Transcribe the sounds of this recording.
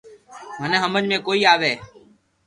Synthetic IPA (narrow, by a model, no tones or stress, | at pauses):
məneɦəməd͡ʒmẽːkoːiːaːʋeː